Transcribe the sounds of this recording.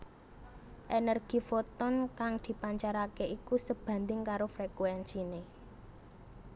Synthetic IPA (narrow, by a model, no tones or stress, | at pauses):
ʔenərɡ̥i̤fɔt̪ɔnkaŋd̪̥i̤paɲt͡ʃaɾakeʔikusəb̥ä̤nd̪ɪŋkaɾofɾekuɛnsine